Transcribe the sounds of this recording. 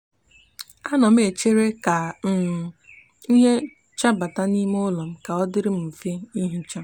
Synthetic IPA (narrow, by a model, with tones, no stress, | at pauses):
a˦nɔ˨m̩˦e˨t͡ʃe˦ɾe˦ka˨˦˨ | i˦ɦe˦ | t͡ʃa˦ba˨ta˦ni˦m˦ʊ˦lɔ˨m̩˦ka˨ɔ˦dɪ˦ɾɪ˦m̩˦˨fe˦i˦ɦi˦t͡ʃa˦